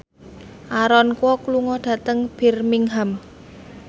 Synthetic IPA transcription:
ʔaɾɔnkwɔkluŋɔɖ̥a̤t̪əŋb̥i̤rmiŋɦam

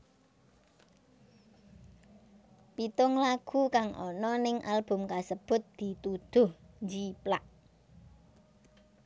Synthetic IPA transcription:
pit̪ʊŋlaɡ̥ukaŋʔɔ̰nɔnɪŋʔa̰lb̥ʊ̤mkasəb̥ʊ̤t̪̚d̪̥i̤t̪ud̪̥ʊhnd͡ʒiplaʔ

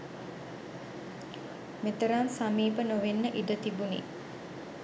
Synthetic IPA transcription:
met̪əɾamsamiːpənoʋenːəʔid̪ət̪ibunḭ

